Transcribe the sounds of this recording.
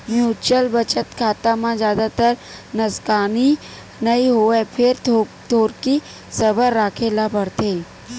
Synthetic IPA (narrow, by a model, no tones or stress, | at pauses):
mjuːt͡ʃəlbət͡ʃət̪kʰaːt̪amãd͡ʒjaːd̪at̪əɾnɐskaːni | nəiɦoːɛpʰɪɾ | t̪oːɾki | sɐbəɾːaːkʰelabəɾt̪ẽ